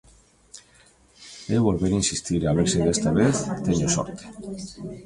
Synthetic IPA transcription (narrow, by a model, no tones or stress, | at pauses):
eβolβeɾinsist̪iɾeaβ̞eɾseðest̪aβ̞eθt̪eɲoso̰ɾt̪e̥